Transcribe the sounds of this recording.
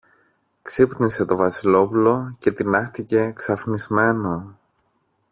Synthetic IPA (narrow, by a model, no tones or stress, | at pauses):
ksipnise̞t̪o̞vɐsilo̞pulo̞ce̞t̪inɐxt̪ice̞ksɐfnizme̞no̞